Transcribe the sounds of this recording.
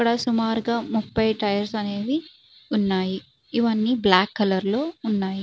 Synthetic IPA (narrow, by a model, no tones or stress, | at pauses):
kːɐɽɐsumaːɾuɡaːmupːɐjʈɐjɐɾsɐne̞ːʋi | unːaːji | iʋɐnːiblaːkːɐlɐɾlo̞ːunːaːji